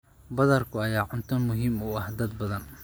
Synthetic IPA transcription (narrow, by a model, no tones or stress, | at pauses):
bɐðɐrkʰʊɐjaːʕʊnt̪ʰʊnmʊɦiːmʊɐhd̪ɐd̪̚bɐðɐn